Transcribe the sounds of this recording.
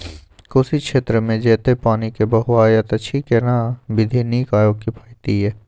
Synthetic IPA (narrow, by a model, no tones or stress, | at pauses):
kʊsikʃeːt̪ɾəmẽd͡ʒɛːt̪epaːnikebɐɦʊwaːjat̪ɐt͡ʃʰikenaʋɪd̪ʱiniːkaːjoːɡ̚kipʰaːɪt̪iɦɛː